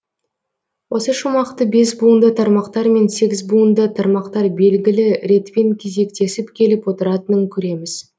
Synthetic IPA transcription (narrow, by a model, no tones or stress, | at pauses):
wʔo̞səʃumɑqt̪əbe̞sbund̪ət̪ʰɑɾmɑqt̪ɑɾme̞nse̞ɡʲɪzbund̪ət̪ʰɑɾmɑqt̪ɑɾbe̞lɡʲɪlɪɾe̞t̪pe̞ŋkʲʰe̞ze̞kt̪e̞sɪpkʲʰe̞lɪpwo̞t̪əɾɑt̪ənəŋkʲʰɵɾe̞mɪz̥